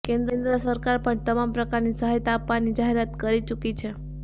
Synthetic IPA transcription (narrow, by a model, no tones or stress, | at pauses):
kẽnd̪ɾẽnd̪ɾəsəɾkaɾpəɳt̪əmampɾəkaɾnisəɦajt̪aːpʋanid͡ʒaɦeɾat̪kəɾit͡ʃukit͡ʃʰe